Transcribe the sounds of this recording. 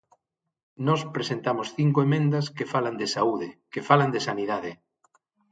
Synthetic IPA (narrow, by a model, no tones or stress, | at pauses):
nɔspɾesent̪amosθiŋkoemẽnd̪ɐskefaland̪esauðekefaland̪esaniðaðe